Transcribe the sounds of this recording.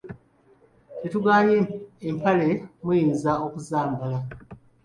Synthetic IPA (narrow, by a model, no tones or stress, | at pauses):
tetuɡaːleːmpale̞mujiːnzao̞kuzaːmbala